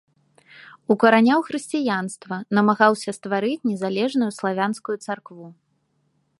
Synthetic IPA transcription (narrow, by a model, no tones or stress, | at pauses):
ukɐɾanʲawxɾɨsʲt͡sʲijanst̪vɐnɐmaɣawsʲɐst̪vaɾɨt͡sʲnʲɛzalʲɛʐnujuslˠavʲanskujut̪sarkvu